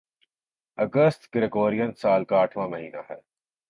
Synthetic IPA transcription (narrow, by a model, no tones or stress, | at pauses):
ɐɡəst̪ɡɪɾeɡoːɾijənsaːlkaːʈʰʋãːmɐɦiːnaːɦɛː